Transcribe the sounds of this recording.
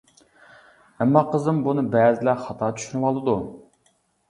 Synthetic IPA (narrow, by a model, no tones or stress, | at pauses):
ɛmːɑqʰəzɨmbunɨbɛːzɪlɛχɑt̪ʰɑːt͡ʃ̪ʰy̥ʃynɨwɑlˠːɨd̪u